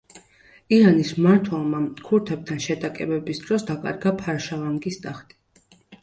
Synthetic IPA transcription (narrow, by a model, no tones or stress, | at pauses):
iɾanismaɾt̪ʰwɛlˠmakʰuɾt̪ʰɛb̚t̪ʰanʃɛd̪ʼakʼɛbɛbisd̪̥ɾɔsd̪akʼa̰ɾɡapʰaɾʃavaŋɡist̪ʼaχt̪ʼi̥